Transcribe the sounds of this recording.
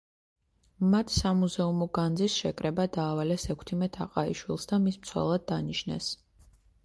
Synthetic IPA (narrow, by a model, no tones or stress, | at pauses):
mat̪ʰsamuzɛumɔɡand̪zisʃɛkʼɾɛbad̪aːvalɛsɛkʰt̪ʰimɛt̪ʰaqʼaiʃwilˠsd̪amismt̪sʰwɛ̰lˠad̪̚ːaniʃnɛ̰s